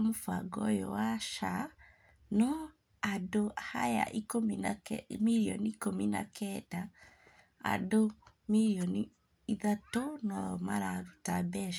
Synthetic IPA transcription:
mofaɡɔ̰jɔ̰waʃa | nɔ | adohaja̰ʔikominmiɾiɔ̰nikomina̰kʰɛda | a̰domiɾiɔni | iðatonɔjɔmaɾaɾutabɛʃ

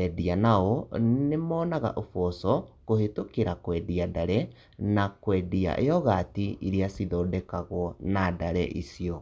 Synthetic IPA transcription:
ɛdianaɔnemɔːnaɣa̰ʔofɔsɔkohetokeɾakwɛdiadaɾɛ | nakwɛːdia̰ʔeɔɣatiiɾiasiðɔːdɛkaɣwɔnadaɾɛ̰ʔisiɔ

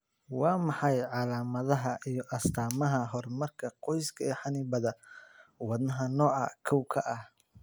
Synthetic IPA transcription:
wɑːmɑħɑjʕɑlaːmɐðɐɦɐʔijɔʔɐst̪ʰaːmɐɦɐɦɔrmɐrkʰɐqɔjskʰɐɛːħɑnɪbɐðɐwɑd̪nɐɦɐnɔːɐkʰɐwkʰɐʔɐh

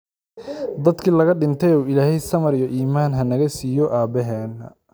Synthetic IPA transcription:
d̪ɐd̪kʰiːlɐɣɐɖɪnt̪ʰɛjuːɪlaːhɛjsɐmɐɾijɔʔiːmaːnɦɐnɐɣɐsiːjɔʔaːbɛɦɛːnːɐ̰

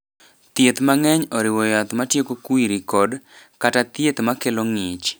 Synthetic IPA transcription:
t̪jet̪maŋɛɲɔɾɪwɔjat̪matjekokwiɾikɔdkatat̪jet̪makeloŋɪt͡ʃ

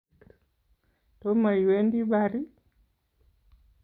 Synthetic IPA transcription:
tomaiwendibaɾi

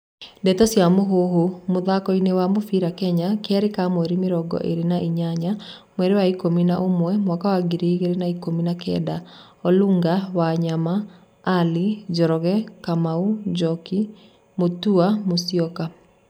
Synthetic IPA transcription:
ndɛtɔsjamoɦoɦomoðakɔinewamofiɾakɛɲakeɛɾekamwɛɾemeɾɔɡɔ̰ʔeɾenaʔiɲaɲa | mwɛɾewaikominaʔomwɛmwakawaɡiɾeɣeɾenaikominakɛ̰da | ɔluŋɡawaɲamaː | lid͡ʒɔɾɔɣɛkamaud͡ʒɔki | motuamosiɔka

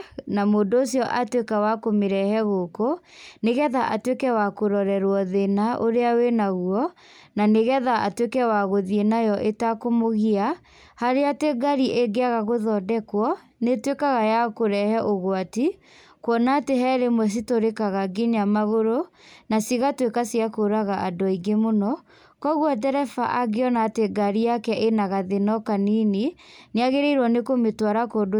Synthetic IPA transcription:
namoːndːsjɔʔatwekawakomeɾɛhɛɣoko | neɣɛðaʔatwekɛwakoɾɔɾɛɾwɔðenaʔoɾeawenaɣuɔ | naneɣɛðaʔatwekɛwaɣoðienajɔʔetakomoɣia | haɾeateɡaɾiʔeɡeaɣaɣoðɔdɛkwɔ | netwekaɣajakoɾɛhɛʔoɣwati | kwɔnateɦɛɾemwɛs̬itoɾekaɣaɡeɲamaɣoɾonasiɣatwekasiakoɾaɣaʔadɔiɡemonɔ | kɔɣwat̬ɛɾɛfa̰ʔaɡeɔnateɡaɾijakɛʔenaɣaðenɔkaninineaɣeɾeiɾwɔnekometwaɾakodo

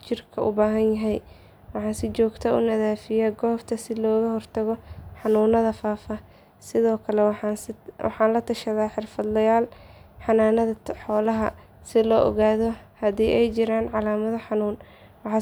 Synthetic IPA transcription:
t͡ʃɪrkʰɐʔʊ̰baːɦɐnjɐɦɛj | wɑħɑːnsɪt͡ʃɔːɡt̪ʰɐʊ̰nɐðaːfɪjaɡɔːft̪ʰɐsɪlɔːɣɐhɔrt̪ʰɐɣɔħɑnuːnɐðɐfaːfɐ | sɪðɔːkʰɐlɛwwɑ̰ħɑːnlɐt̪ʰɐʃɐðaːħɪrfɐd̪lɐjaːl | ħɑnaːnɐðɐħɔːlɐɦɐ | sɪlɔːʔɔ̰ɣaːðɔhɐðiːʔɛjt͡ʃɪɾaːnʕɑlaːmɐðɐħɑnuːn | wɑħɑ

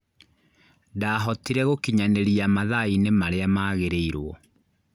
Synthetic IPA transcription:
daɦɔtiɾɛɣokiɲaneɾiamaðainemaɾeamaːɣeɾeiɾwɔ

